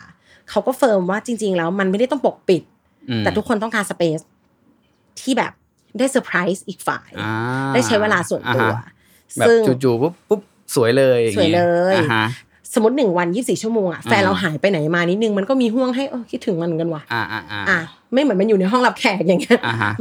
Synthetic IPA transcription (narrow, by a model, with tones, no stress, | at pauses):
kʰa˦˥wkɔː˥˩fɤː˧mwaː˥˩t͡ɕi˧ŋt͡ɕi˧ŋlɛː˦˥wma˧nma˥˩jɾa˥˩jt̪ɔ˥ŋpo˨˩k̚pi˨˩t̪̚ː | ɛː˨˩t̪ʰu˦˥kʰːo˧nt̪ɔ˥˩kaː˧nsa˧peː˦˥s | t̪ʰiː˥˩bɛ̰ː˨˩p̚ | daː˥˩jsɤː˧pʰɾa˦˥jsʔiː˨˩k̚fa̰ː˨˩jdaː˥˩t͡ɕʰa˦˥jweː˧laː˧su˨˩ənt̪ṵ˧ɐ | sɯ˥˩ŋu˨˩juː˨˩u˦˥ppu˦˥p̚ | su˨˩˦əjlɤː˧jsu˨˩˦jlɤː˧j | sa˩˦mu˦˥t̪̚nɯ˨˩ŋwa˧njiː˥˩siː˨˩t͡ɕʰu˥˩əmoː˧ŋʔa̰˨˩fɛː˧nɾa˧wɦaː˩˦jpa˧jna˩˦jmaː˧ni˦˥t̪̚nɯ˨˩ŋma˧nkɔː˥˩miː˧ɦu˥˩əŋɦa˥˩jʔoː˧˩kʰi˦˥t̪ʰːɯ˨˩˦ŋma˧n˨ka˧nwa˧˩˧ʔa˧˩ | ma˥˩jmɯ˩˦ə˦ma˧njuː˨˩na˧jɦɔ˥˩ŋla˦˥p̚kʰɛː˨˩t̪̚ja˨˩ŋːi˦˥ɐ˧˦